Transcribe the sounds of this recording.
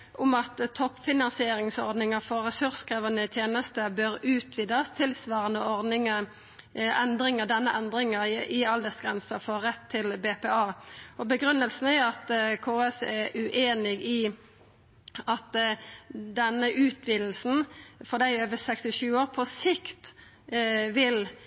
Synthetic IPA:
ʔʊmɑt̪t̪ʰːɔpːfɪnɑnsɪeːɾɪŋsɔ̰ɾd̪nɪŋəfɔʁɛsʉʁskʰɾeːʋənət̪ʰjeːnəst̪əbøɾʉːt̪ʰʋiːd̪əst̪ʰɪlsʋɑːʁənəɔʁd̪nɪŋə | ɛnd̪ɾɪŋəd̪ɛnːəʔɛnd̪ɾɪŋəɪɑld̪əsɡʁɛnsəfoːɾɛt̪ʰːɪlbeːpeːɑːɔbəɡɾʉnːəlsn̩æɑt̪kʰoːɛsɛʉʔeːnɪɡɪ | ɑt̪ | d̪ɛnːəʔʉːt̪ʰʋiːd̪l̩sn̩fɔʁd̪æɪøːʋəsɛkst̪ɪʃʉːoːʁpʰɔsɪkt̪ | ʋɪl

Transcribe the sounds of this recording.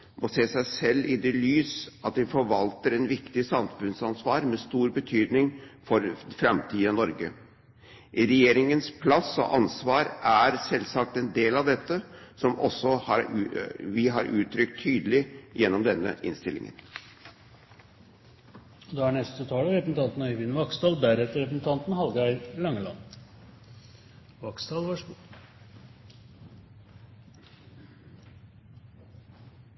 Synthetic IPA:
mʔɔseːsæɪsɛlːɪd̪ɛlyːsɑt̪h̪ɛfɔɾʋɑlt̪əɾɛnʋɪkt̪ɪsɑmfʉnsɑnsʋɑːɾmɛst̪uːɾbət̪ʰyːd̪nɪŋfɔɾfɾɛmt̪ʰiːənɔɾɡə̰ | ɾɛjeːɾɪŋənspʰlɑsɔ̰ʔɑnsʋɑːɾʔæɾsɛlsɑk̚t̪ɛnd̪eːlɑʋd̪ɛt̪ːəsɔmɔsːɔhɑɾʋɪɦɑɾʉ̰ːt̪ʰɾʏkt̪ʰːyːd̪əlɪjɛnːɔmd̪ɛnːə̰ʔɪ̰nst̪ɪlɪ̰ŋə̰n | ɔd̪ɑːæɳɛst̪ət̪ʰɑːləɾɛpsn̩t̪ʰɑnt̪n̩ɔʏʋɪnʋɑkst̪ɑːlbæɾɛt̪ːəɾɛpɾsn̩t̪ʰɑnt̪n̩hɑlɡəæɪlɑŋːəlɑ̰nː | ʋɑksd̪ɑːlʋɑʂ

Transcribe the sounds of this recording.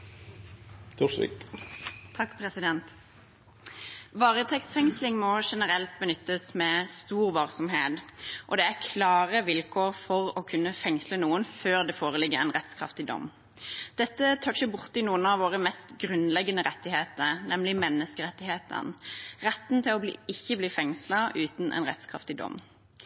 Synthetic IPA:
t̪ʰuʂlɪ̰k | t̪ʰɑkːpʰɾɛsɪd̪ɛnt̪ | ʋɑːʁət̪ʰɛkst̪fɛŋslɪŋmɔʂɛnəʁɛlt̪̚bənʏt̪ːəsmɛst̪uːʁʋɑlsɔmɦeːd̪ʔɔd̪ɛæʁkʰlɑːʁəʋɪlkʰoːʁfɔʁɔkʰʉnːəfɛŋslənuːənføːʁd̪ɛfoːʁəlɪɡəʁɛɪnʁɛt̪skʰʁɑ̰ft̪ɪd̪ɔ̰m | d̪̥ɛt̪ːət̪ʰœçəbʊʁt̪ɪnuːənɑʋoːʁəmɛst̪ɡʁʉnlɛɡːənəʁɛt̪ːɪheːt̪əɾnɛmlɪmɛnːəskəʁɛt̪ːɪheːt̪ʰə̰nʁɛt̪n̩t̪ʰɪlɔblḭːɪçːəbliːfɛŋsləʉːt̪n̩ʔɛ̰nʁɛ̰t̪skʰʁɑ̰ft̪ɪd̪ɔ̰m

